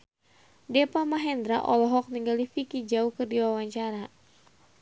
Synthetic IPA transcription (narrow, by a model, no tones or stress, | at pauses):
dɛpamaɦɛnd̪ɾaʔɔlɔɦɔk̚niŋɡaldifikid͡ʒaukɨrdiwawaɲt͡ʃaɾa